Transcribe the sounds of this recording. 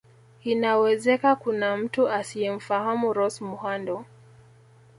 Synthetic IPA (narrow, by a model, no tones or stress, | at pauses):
inawɛzɛkakunam̩tuasiɛm̩fahamuɾɔsmuhandɔ